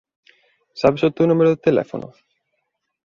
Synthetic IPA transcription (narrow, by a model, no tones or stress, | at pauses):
sapisot̪unumeɾoðut̪elɛ̰fo̰no̰